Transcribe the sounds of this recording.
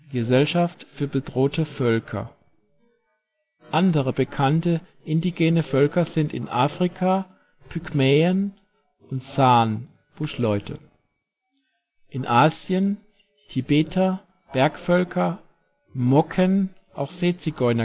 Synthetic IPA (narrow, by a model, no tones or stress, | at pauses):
ɡ̥əzɛlʃaftfyːɐbədʁoːtəfœlkʰɐ̰ | ʔandəʁəbəkʰantə | ʔɪndiɡeːnəfœlkɐzɪntɪ̰nʔaːfʁ̥ikʰa | pʰykmɛːən | ʔʊntt͡saːn | b̥ʊʃlɔʏtʰə̰ | ʔɪnʔaːzjən | tʰibeːtʰɐ | b̥ɛɐkfœlkʰɐ | mɔkʰən | ʔa̰ʊxz̥eːt͡siɡɔʏnɐ